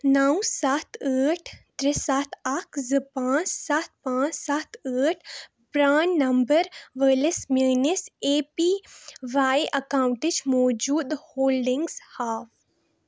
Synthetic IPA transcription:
nawsaːt̪ʰəːʈʰt̪ɾɪsaːt̪ʰɐkʰzɨpãːt͡ʃsat̪̚ʰpãːt͡ʃsat̪ʰəːʈʰ | bɾaːnːɐmbəɾʋəːlɪsmeːnɪseːpiʋaːjʔɐkaːwɳʈɪt͡ʃmɔːd͡ʒuːd̪hoːlɖɪŋɡzhaːf

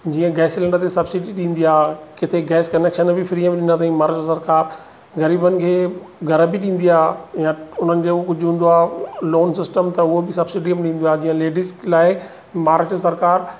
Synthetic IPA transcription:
d͡ʑiːə̃ɡɛːslɛ̃ɳɖət̪esɐbsɪɖiɗĩːn̆d̪iaːkɪt̪ʰeɡɛːskɐneːkʃənbɪfɾiːə̃mɗɪ̃nd̪at̪ʰaĩmaːɾət͡ɕəsɐɾkaːɾ | ɣɐɾiːbənɪ̆kʰeː | ɡʱɐɾəbɪɗĩːnd̪iaːjãʊn̤ənɪ̆d͡ʑeːkʊd͡ʑʱʋũːn̆d̪oaːloːnsɪsʈəmt̪ɐʊɦobɪsɐbsɪɖiəmɗĩːnd̪oaːɦd͡ʑiːə̃leːɖɪsʈlaːɪ | maːɾət͡ɕsɐɾkaːɾ

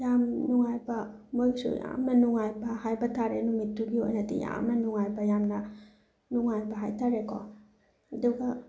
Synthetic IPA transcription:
jamnuŋajbɐ | mojsṵja̰mnɐnuŋajbɐhajbɐtʰaɾenumitːuɡio̰jnadḭja̰mnɐnuŋajbɐjamnɐ | nuŋajbɐɦajtʰaɾekʰɔ̰ | aduɡɐ

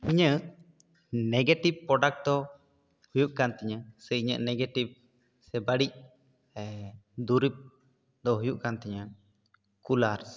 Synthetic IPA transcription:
iɲəʔ | nɛɡeʈib̚pːɾɔɖak̚ʈd̪ɔ | hujuʔkant̪ɛɲasɛiɲə̰ʔnɛɡɛʈib̚ | sɛbaɽic̚ | ɛd̪uɾip̚ | d̪ɔɦujuʔkant̪ɛɲa | kulaɾs

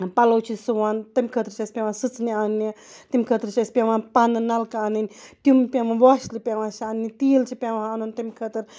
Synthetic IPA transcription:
palowt͡ʃisuwant̪emkʰət̪ɾʃaspʲjawasɨt͡snianit̪imkʰət̪ɾʃaspjamapananalkaanent̪jumpjamawaʃlipjawaʃaanit̪ilt͡ʃipjawãhaanunt̪imkʰət̪ɾ

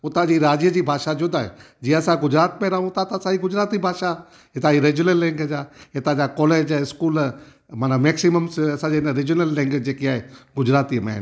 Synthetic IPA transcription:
ʊt̪ãd͡ʒiɾaːd͡ʒjəd͡ʒibʱaːʃad͡ʒʊd̪aɦḛ | d͡ʒiːɐsãɡʊd͡ʒɾaːt̪mẽɾɐɦũt̪ãt̪asaiɡʊd͡ʒɾaːt̪ibʱaːʃa | ɦɪt̪ãiɾeːd͡ʒjʊnəlːɛ̃ŋɡd͡ʒaɦɪt̪ãd͡ʒakɔːleːd͡ʒɪskuːl | mɐnəmeːksiməmsɐsãd͡ʒenəɾid͡ʒʊnəlːẽŋɡd͡ʒeːkiaːɦeɡʊd͡ʒɾaːt̪imḛ̃

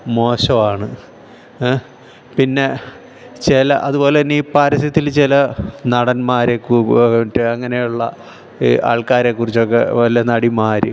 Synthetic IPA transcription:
mo̞ːɕɐʋaːɳɨ | pinːe̞ | t͡ɕelɐʔɐðubo̞ːle̞niːpaːɾɐsɐt̪ːilt͡ɕilɐnɐɽɐnmaːɾekuːʈːɨɐŋːɐne̞juɭːɐ̰ | iʔa̰ːɭkaːɾeːkːurit͡ɕːo̞kːe̞̰ʋɐliɐnɐɽimaːɾṵ

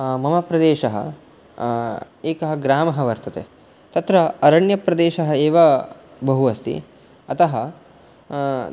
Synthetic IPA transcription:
mɐmɐpɾɐd̪eːʃɐɦɐ̰ | eːkɐɦɐɡɾaːmɐɦɐʋɐɾt̪ɐt̪ḛ | t̪ɐt̪ɾɐɐɾɐɳjɐpɾɐd̪eːʃɐɦɐeːʋɐ | bɐɦuʋɐst̪ḭ | ɐt̪ɐɦɐ

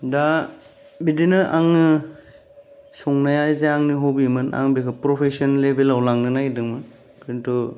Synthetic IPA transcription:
da | bidinɯʔaŋɯ | sɔŋnajajzeaŋniɦobimɯna̰ŋbikʰɯpɾɔpʰesɔnlebelawlaŋnɯnaɡidɯŋmɯn | kintu

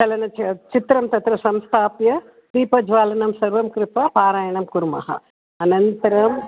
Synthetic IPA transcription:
t͡ʃɐlɐnɐt͡ʃit̪ɾɐmt̪ɐt̪ɾɐsɐmst̪ʰaːpjɐ | b̪iːpɐd͡ʒʋaːlɐnɐmsɐɾʋɐmkɾɪt̪apaːɾaːjɐɳɐmkuɾmɐ̰ɦɐ̰ | ɐnɐnt̪ɐɾɐm

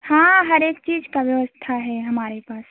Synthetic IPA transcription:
hãɦəɾeːkt͡ʃiːd͡ʒkabjəʋəst̪ʰaɦɛɦəmaːɾepaːs

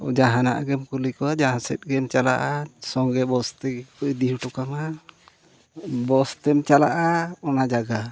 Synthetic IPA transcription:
ɔ̰d͡ʒaɦana̰ʔɡɛmkulikɔad͡ʒaɦãsɛt̪̚ˀɡɛmt͡ʃala̰ʔasɔŋɡɛbɔst̪ɛkɔd̪ihuʈɔkama | bɔst̪ɛmt͡ʃalaʔaɔnad͡ʒaɡa

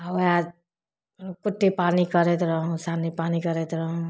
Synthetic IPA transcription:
aad͡ʒ | kuʈːepanikəɾɛt̪ɾəɦũsanipanikəɾɛt̪ɾəɦũ

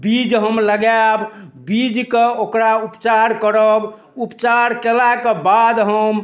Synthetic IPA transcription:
bid͡ʒɦəmləɡabbid͡ʒkeokɾaupt͡ʃaɾkəɾəb | upt͡ʃaɾkelakebad̪ɦəm

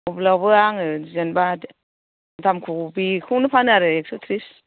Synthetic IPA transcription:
ɔblawbɯaŋɯzenba | tʰamkʰubikʰɯnɯpʰanaɾɯek̚sutʰɾis

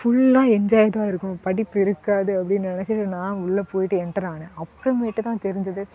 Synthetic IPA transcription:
fʊɭːãːɛɲd͡ʒaːjɐt̪aːɪɾɯkːʊ̃pɐɽɪpːɪɾɯkːaːðɯɐpːɐɽɪnːnɪnɛt͡ʃːɪʈːɯnãːʊɭːɐpoːjɪʈːɯɛɳʈːɐɾaːnɐɐpːɐɾɐmeːʈːɯt̪ãːt̪ɛɾɪɲd͡ʒɐðɯ

